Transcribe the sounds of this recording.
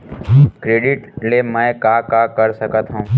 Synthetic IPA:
kɾeːɖɪʈlemɛ̃kaːkakəɾsəkət̪ɦũ

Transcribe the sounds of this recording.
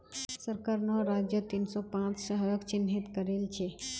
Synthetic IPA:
səɾkəɾnɔɾaːd͡ʒjət̪insɔpãːt͡ʃʃəɦɾəkt͡ʃɪnɦit̪kəɾeːlt͡ʃʰe

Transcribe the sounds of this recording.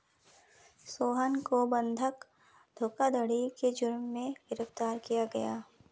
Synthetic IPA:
soːɦənkobɐ̃nd̪ʱək | d̪ʱoːkad̪ʱəɽ̤iked͡ʒʊɾmːẽɡɪɾəft̪aːɾkijaɡɐjaː

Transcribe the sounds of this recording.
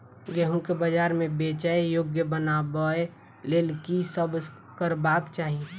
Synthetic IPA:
ɡɛɦũkebəd͡ʒaːɾmẽbeːt͡ʃaejoːɡjəbənabəe | leːlkisəb | kəɾbaːkt͡ʃaːɦie

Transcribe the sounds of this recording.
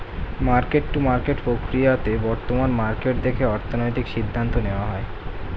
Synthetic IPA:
maɾkeʈːumaɾkeʈpɾokɾijat̪ebɔɾt̪omanmaɾkeʈd̪ekʰeɔɾt̪ʰonojt̪ikʃid̪ʱːant̪oneoaɦɔe

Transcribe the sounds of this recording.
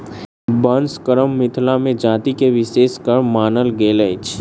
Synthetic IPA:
bənskəɾəmːɪt̪ʰlamẽd͡ʒaːt̪ikeʋɪseːskəɾmːaːnəlɡeːlət͡ʃʰ

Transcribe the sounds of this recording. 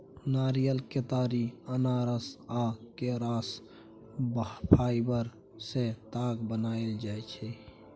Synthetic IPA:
naɾijəlket̪aɾiənaɾəsakeɾaːs | bpʰaibəɾ | set̪aːɡbənaeld͡ʒaet͡ʃʰɛ

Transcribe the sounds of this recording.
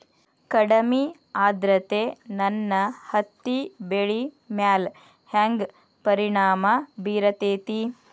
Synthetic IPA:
kɐɽɐmi | aːd̪ɾɐt̪eːnɐnːɐhɐt̪ːibeɭi | mjaːl | haŋɡ | pɐɾiɳaːmɐbiːɾɐt̪eːt̪i

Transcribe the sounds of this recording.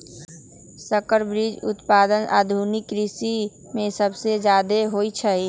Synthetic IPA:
səkəɾbɾid͡ʒʊ̰t̪paːd̪əna̰ːd̪ʱunɪkɾɪsi | mẽsəbsed͡ʒjaːd̪eɦoːit͡ʃʰəi

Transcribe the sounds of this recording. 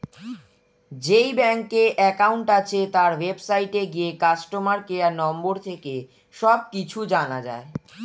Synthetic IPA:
d͡ʑejbɛŋkeʔɛkauɳʈat͡ɕʰet̪aɾwebsajʈeɡijekasʈomaɾkeanɔmboɾt̪ʰeke | ʃɔb̚kit͡ɕʰud͡ʑanad͡ʑa̰e

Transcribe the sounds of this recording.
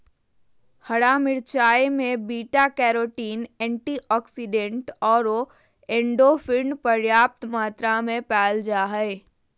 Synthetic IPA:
həɽamɪɾt͡ʃaːemẽbiːʈakɛːɾoːʈiːnɛ̃ːɳʈiʔɔːksiɖẽɳʈɔːɾo | ẽːɳɖofʰɪɳɖpəɾjaːp̚t̪maːt̪ɾamẽpɛːld͡ʒaːɦəe

